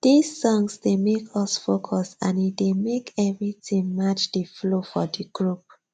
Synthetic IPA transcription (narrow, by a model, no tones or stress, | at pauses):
d̥isːɔ̃ŋsdemekʰɔsfokʰɔsãnidemekʰɛvɹitĩŋmat͡ʃdəflofɔdiɡ̥ɹup̚